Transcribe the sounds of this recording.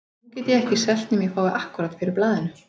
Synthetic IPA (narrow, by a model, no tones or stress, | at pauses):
nucɛːt̪jɪɣɛhcɪisɛl̥t̪nɪmjɛfaːwvɪʔahkʏɾaːt̪fɪɾɪɾplaːðɪnʏ